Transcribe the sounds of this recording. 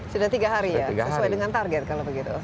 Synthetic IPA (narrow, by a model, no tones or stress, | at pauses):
sudaht̪iɡaɦaɾijaɡsəsuwajdəŋant̪arɡɛt̪̚kalobəɡit̪u